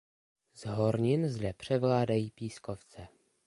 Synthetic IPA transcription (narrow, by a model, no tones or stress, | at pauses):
zɦoɾɲɪnzdɛpr̝̥ɛvlaːdajiːpiːskoft͡sɛ